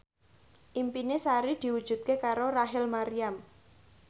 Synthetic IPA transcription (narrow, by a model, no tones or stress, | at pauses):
ʔimpinesaɾid̪̥i̤wud̥ʒ̥ṳt̪̚kekaɾoraɦɪlmaɾiam